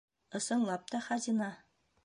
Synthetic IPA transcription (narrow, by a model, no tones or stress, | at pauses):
ɤ̆sɤ̆ɴlˠɑp̚t̪ɑχɑzinɑ